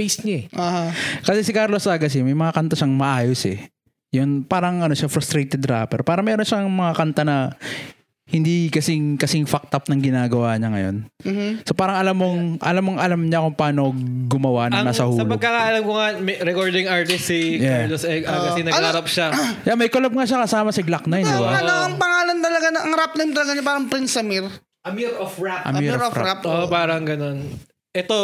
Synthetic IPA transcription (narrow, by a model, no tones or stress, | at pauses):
pejsɲaɛohakɐsɛsɪkaɾlosʔaːɡɐs̬ɪmɐjmɐŋɐkɐnt̪aʃaŋmɐʔaːjosɛ̰ | jʊnpaːɾɐŋʔɐno̞ʃafɾɐst̪ɾejt̪ɛd̪ɾa̰ːpɛ̰ɾpaːɾɐŋmɛːɾonʃaŋmɐŋakɐnt̪anɐ | hɪnd̪ikɐsɪŋkɐsɪŋfak̚t̪ɐp̚nɐŋɡɪnaːɡɐwaːɲɐŋɐ̰jo̞̰nsopaːɾɐŋɐlamːoŋʔɐ̰lamːoŋʔɐlamɲɐɐkoŋpaːnoɡʊmɐwaʔnɐnasɐhuːɐlpɐoɡ̚kːɐkaːʔɐlɐmkoŋamɛɾɛkoɹd̪ɪŋaɹt̪ɪsijɛlosɛɡɐkɐsɪnɐɡɐɾɐp̚ʃajamɐjkolɐb̚ŋaːʃakɐsaːmɐsɐɡlak̚nɐjnd̪ɪbaɐɐŋpɐŋaːlɐnt̪ɐlɐɡanɐʔɐŋɾap̚nɐmt̪ɐlɐɡaɲɐpaːɾɐŋpɾɪnsɐmɪɾ | ʔɐmiɾɔfɹaʔɐ̰miɾɾo̰ɾapoʔpaːɾɐŋɡɐno̞n | ʔɛt̪o